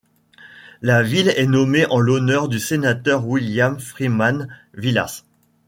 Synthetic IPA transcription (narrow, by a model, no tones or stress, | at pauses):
lavilɛnɔmeʔɑ̃lɔnœʁd̪ysenat̪œʁwiljamfχiman | vila̰s